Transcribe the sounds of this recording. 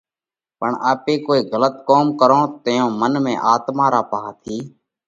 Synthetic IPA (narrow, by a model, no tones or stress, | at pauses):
pəɳaːpeːkoːiːɣələt̪̚koːmkəɾõːt̪əjõːmənmẽːʔaːt̪mãːɾaːpəɦaːt̪ʰiː